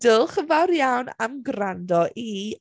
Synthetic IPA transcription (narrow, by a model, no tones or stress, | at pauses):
d̥ɪlˠχəvawɾjawnamɡrandɔʔi